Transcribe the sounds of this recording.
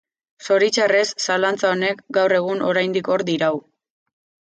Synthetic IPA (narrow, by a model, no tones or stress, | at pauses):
so̞ɾit͡ʃare̞sːalant͡sao̞ne̞kɡawre̞ɣ̞uno̞ɾajnd̪iko̞ɾd̪iɾaw